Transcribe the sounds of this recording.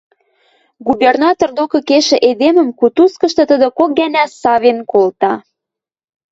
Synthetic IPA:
ɡubernɑt̪ord̪okɤ̆keʃɘ̆ʔed̪emə̆mkut̪uskɤ̆ʃt̪ɤ̆t̪əd̪ə̆kok̚ɡænæsɑβenkolt̪ɑ

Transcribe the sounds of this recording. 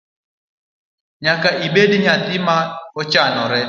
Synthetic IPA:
ɲakaʔibediɲat̪ɪmaɔt͡ʃanɔɾɛ

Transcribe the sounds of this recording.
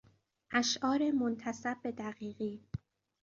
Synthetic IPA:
ʔæʃʔɒːɾemont̪ʰæsæb̚ːe̞d̪æɢiːɣiː

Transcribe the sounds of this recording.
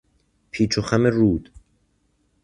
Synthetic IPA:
pʰiːt͡ʃʰoxæmeɾuːd̪̥

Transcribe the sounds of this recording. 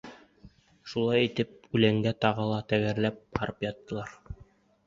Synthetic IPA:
ʃulˠɑjit̪ɘp̚ʉlæŋɡæt̪ɑʁɤlˠɑt̪æɡæɾlæp̚qɑɾɤpjɑt̪ːɤ̆lˠɑɾ

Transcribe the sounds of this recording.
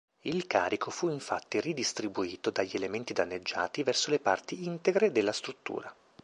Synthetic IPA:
ilka̰ːɾikʰofuiɱfat̪ːirid̪ist̪ɾibuiːt̪od̪aʎːielement̪id̪anːed͡ʒːa̰ːt̪ivɛrsolepart̪iint̪eɡɾed̪elːast̪ɾut̪ːṵːɾa

